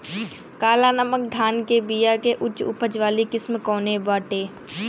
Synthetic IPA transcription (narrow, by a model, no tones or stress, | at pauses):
kaːlaːnəmək̚d̪ʱaːnkebiːjakeʔʊt͡ʃʊ̰pəd͡ʒʋaːlikɪsmkoːnebaːʈeː